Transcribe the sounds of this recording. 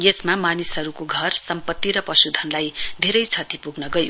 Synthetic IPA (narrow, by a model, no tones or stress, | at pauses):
jesmamanisɦʌɾukoɡʱʌrsʌmpʌt̪ːiɾʌpʌsud̪ʱʌnlajd̪ʱeɾʌjt͡sʰʌt̪ipuɡnʌɡʌjo